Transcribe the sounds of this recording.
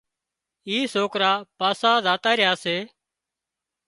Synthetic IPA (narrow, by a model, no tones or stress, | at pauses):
iːsoːkɾaːpaːsaːzaːt̪aːɾɪjaːseː